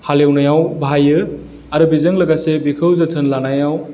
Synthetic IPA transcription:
halewnajawbʱajɯ | aɾɯbizəŋləɡasebikʰəwzət̪ʰɯnlanajaw

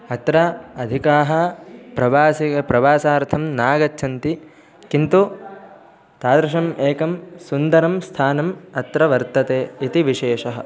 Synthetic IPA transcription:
ɐt̪ɾɐɐd̪ʱikaːɦɐ̆pɾɐʋaːsiɐpɾɐʋaːsaːɾt̪ʰɐmnaːɡɐtːʃʰɐnt̪i | kint̪u | t̪aːd̪ɾɐʃɐmeːkɐmsund̪ɐɾɐmst̪ʰaːnɐmɐt̪ɾɐʋɐɾt̪ɐt̪eːit̪iʋiʃeːʂɐɦɐ̰̆

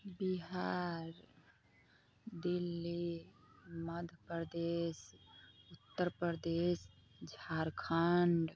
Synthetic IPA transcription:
biɦaɾ | d̪ilːi | məd̪ʱəpəɾd̪esut̪ːəɾpəɾd̪es | d͡ʒʱaɾkʰaɳɖ

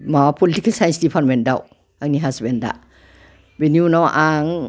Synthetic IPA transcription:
mawapʰɔlitikalsajensdipʰaɾtmen̚daw | aŋniɦasbenda̰ | benjunawʔaŋ

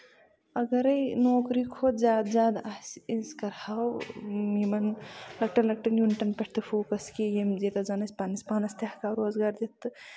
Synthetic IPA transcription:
ɐɡɐɾɐjnoːkɾikʰot̪zʲaːd̪zjaːd̪asiskɐɾhawimɐnlɐk̚ʈɐnlɐk̚ʈɐnjuːniʈɐnpɐʈʰt̪ʰɨfʰoːkɐskijemd͡ʒet̪ɐzɐnɐsʲpanispaːnɐst̪jahkaɾoːzɡaːɾd͡ʒit̪ɨ

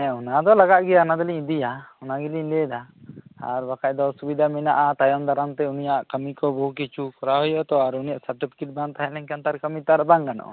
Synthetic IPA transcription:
ɛɔnad̪ɔlaɡaʔɡɛjaɔnad̪ɔliɲid̪ijaɔnaɡiliɲlɛd̪aa̰ɾbakac̚d̪ɔsubid̪ʱaminaʔat̪ajɔmd̪aɾamt̪ɛunijaʔkəmikɔbɔɦukit͡ʃʰukɔɾaɦɔjɔʔt̪ɔaɾunijaʔsaɾʈipʰi̥kiʈ̚baŋt̪aɦɛʔlɛɲkant̪aɾkəmit̪aɾbaŋkanɔ̰ʔ

